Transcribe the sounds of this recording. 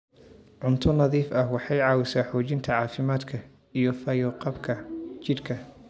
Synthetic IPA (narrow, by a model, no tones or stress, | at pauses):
ʕʊnt̪ʰʊnɐðiːfɐhwɑħɑjʕɑːwɪsaːħɔːt͡ʃɪnt̪ʰɐʕɑːfɪmaːd̪kʰɐ | ijɔfɐjɔqɑbkʰɐt͡ʃɪrkʰɐ